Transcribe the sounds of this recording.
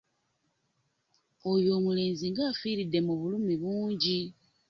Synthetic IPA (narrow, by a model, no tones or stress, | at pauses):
ojo̞ːmule̞ːnziŋɡaːfiːɾidːe̞muβulumiβuːɲɟi